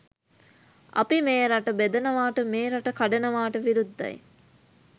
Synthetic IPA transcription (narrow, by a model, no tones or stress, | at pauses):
ʔɐ̰pimeːɾaʈəbed̪ɐnəʋaːʈəmeːɾaʈəkaɖɐnəʋaːʈəʋiɾud̪ːa̰j